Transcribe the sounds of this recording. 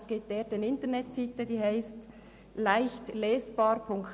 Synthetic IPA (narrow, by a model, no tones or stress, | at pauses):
sɡ̥eːd̥eːɾd̥eːnɪntəɾnɛtsiːtədiːhaɪst | laɪçtlɛːsb̥ɑːɾpʰʊŋk